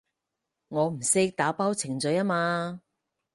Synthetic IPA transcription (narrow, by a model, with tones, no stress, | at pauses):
ŋɔː˨˧m̩˨˩sɪ˥k̚t̪aː˨˥paː˥wt͡sʰɪ˨˩ŋt͡sɵ˨˧jaː˥maː˧